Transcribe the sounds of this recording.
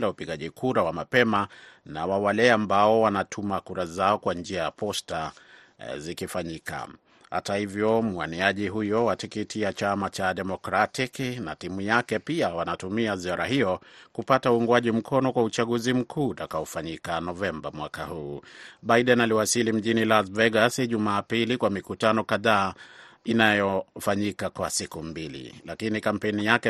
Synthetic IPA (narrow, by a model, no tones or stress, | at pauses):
laupiɠaʄikʰuɾawamapɛmana̰wawalɛambaɔwanatʰumakuɾazaɔkwand͡ʒiajapɔsta | zikifaɲika̰ | ha̰tahivjɔm̩waniaʄiɦujɔwatikitiat͡ʃamat͡ʃaɗɛmɔkɾatiknatimujakɛpiawanatumiaziaɾaɦijɔkupatauuŋɡwaʄim̩kʰɔnɔkwaut͡ʃaɠuzim̩kʰuːtakaɔfaɲikanɔvɛmbamwakahuːɓaiɗɛnaliwasilim̩ʄinilasvɛɡasʄumaːpilikwamikutanɔkaðaːinajɔfaɲikakwasikumbilḭlakinikampɛnijakɛ